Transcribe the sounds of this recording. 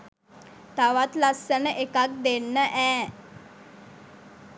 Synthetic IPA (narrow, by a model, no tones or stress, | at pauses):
t̪aʋat̪lasənəʔekak̚d̪enːəʔɛː